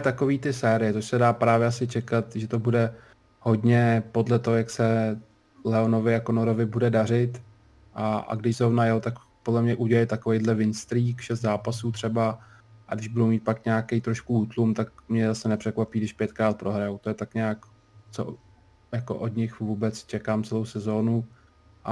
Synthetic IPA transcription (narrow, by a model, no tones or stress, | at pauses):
t̪ako̞viːt̪ɪsɛːɾɪjɛt͡soʃsɛdaːpɾaːvjɛasɪt͡ʃɛkat̪ʒɛt̪obudɛ | ho̞dɲɛpo̞dlɛt̪oɦojaksɛ | lɛo̞no̞vɪjakonoɾovɪbudɛdar̝ɪt̪ | ʔaa̰ɡdɪʒzɾovnajɛwt̪ak | po̞dlɛmɲɛʔuɟɛlɪjt̪akovejdlɛvɪnst̪ɾiːkʃɛs̬t̪zaːpasuːt̪r̝̥ɛba | ʔadɪʒbudowmiːt̪̚pakɲaːkejt̪ɾoʃkuuːt̪lumt̪akmɲɛzasɛnɛpr̝̥ɛkvapiːdɪʃpjɛt̪kɾaːt̪̚pɾʔo̞ɦɾajowt̪o̞jɛt̪akɲaːk | t͡so̰ | jako̰ʔodɲɪxvuːbɛt͡st͡ʃɛkaːmt͡sɛlo̞wsɛzo̞ːnu | ʔa